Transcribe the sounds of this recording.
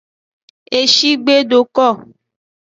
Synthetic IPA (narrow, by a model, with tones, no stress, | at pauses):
e˨ʃi˦ɡ͡be˦ɖo˨kɔ˦˨